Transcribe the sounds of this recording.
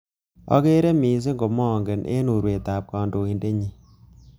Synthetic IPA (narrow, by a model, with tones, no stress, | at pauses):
ɔ̰˦ke˦ɾe˦mi˨s̬ɪ˦ŋɡo˨mɔ˦˨ŋɡe˨nʔḛ˦nu˨ɾwe˨ta˨p̚kɔː˨ndo˨i˨nde˦ɲi˦